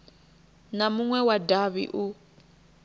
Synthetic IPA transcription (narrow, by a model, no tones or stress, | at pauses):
namuŋwɛwadaβḭʔu